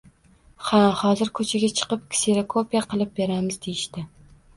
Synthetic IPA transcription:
hahɒzɪɾkʰɵt͡ʃʰaɡʲat͡ʃʰɨ̥qɨp̚kʲʰseɾokʰopʰijaqʰɨlˠɪp̚beɾamɪzd̪ejɪʃt̪ɪ

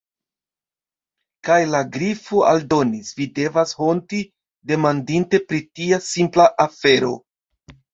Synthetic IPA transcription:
kajlaɡɾifoʔa̰ldo̞nisvide̞vasho̞nti | de̞mandinte̞pɾitiasimplaʔafe̞ɾo̞̰

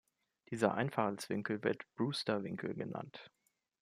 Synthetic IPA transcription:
d̥iːzɐ̰ʔa̰ɪnfaχl̩sv̥ɪŋkl̩vɪɐtb̥ʁuːstɐvɪŋkʰl̩ɡəna̰nt

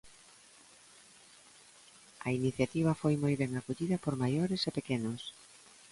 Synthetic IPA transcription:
ɐiniθjat̪iβ̞ɐfojmojβɛŋakoʎiðɐpoɾmajoɾesepekenos

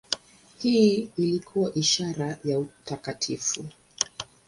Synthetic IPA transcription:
hiːilikʰuwaʔiʃaɾajautakatʰifu

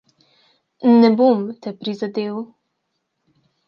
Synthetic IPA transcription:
nɛbomt̪ɛpɾizad̪eːw

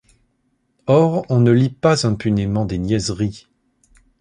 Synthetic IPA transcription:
ɔʁɔ̃nəlipazɛ̃pynemɑ̃d̪enjɛzʁi

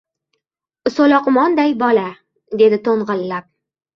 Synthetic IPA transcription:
ʊsolɒqʊmɒnd̪ajbɒla | d̪e̞d̪ɪt̪ʰoɴʁɨlːap̚

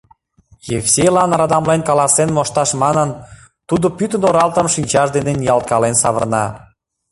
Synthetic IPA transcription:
jefsʲelɑnɾɑd̪ɑmlenkɑlɑsenmoʃt̪ɑʃmɑnən | t̪ud̪opyt̪ənoɾɑlt̪əmʃinʲt͡ɕɑʃd̪enenijɑlˠt̪̚kɑlensɑβə̰̆rnɑ̰

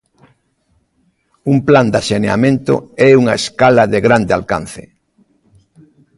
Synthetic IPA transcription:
umpland̪asenea̰mẽnt̪o̰ɛuŋaeskalɐðeɣɾand̪ɪalka̰n̟θḛ

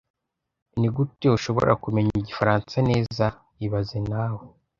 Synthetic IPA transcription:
niɡutiuʃo̞βo̞̰ɾʔa̰kume̞ɲiɟifaɾaːnt͡sane̞ːza | iβazenaːwe

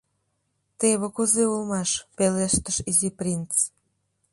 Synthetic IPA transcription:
t̪eβə̆kuzeulmɑʃpeleʃt̪əʃiziprʲint͡s

